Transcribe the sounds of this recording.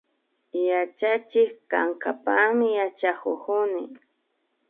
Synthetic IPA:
jat͡ʃat͡ʃɪkkaŋkapamɪjat͡ʃakokʊnɪ

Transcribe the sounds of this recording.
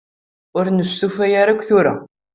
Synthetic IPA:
ʊɾnəsːufæjaɾakʷːθuɾa̰

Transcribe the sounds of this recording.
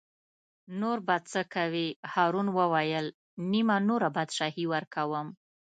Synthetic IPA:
noɾbad̪̚t͡səkawihɑɾunwəwajəl | nimanoɾabad̪ʃɑhiwəɾkawəm

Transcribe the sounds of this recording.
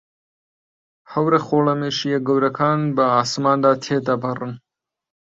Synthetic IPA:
hɐwɾɐxoːlɐmeːʃijeɡɐwɾɐkʰaːnbɐaːsmaːnd̪aːt̪ʰeːd̪ɐbɐrɨn

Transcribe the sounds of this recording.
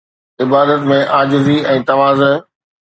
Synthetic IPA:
ɪbaːd̪ət̪mẽʔaːd͡ʑɪziɛ̃ːt̪ɐʋaːzə

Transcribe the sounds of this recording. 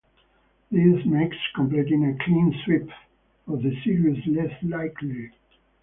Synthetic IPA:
ðizmɪkskʰɔ̃mpl̥itɪ̃ŋɨkʰl̥ĩnswɪp | ɔvðɨsiɹiəslɛslaɪkʰli

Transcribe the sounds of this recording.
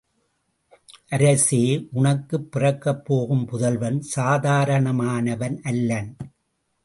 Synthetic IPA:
ʔɐɾɐseːʔʊɳɐkːɯpːɪrɐkːɐpːoːɣɯmpʊðɐlʋɐnsaːðaːɾɐɳɐmaːnɐʋɐnʔɐlːɐn

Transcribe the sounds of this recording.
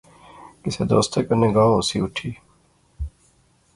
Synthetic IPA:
kɪsḛd̪o̰ːst̪ʰekənːẽːɡãːõʊsiːʊʈʰiː

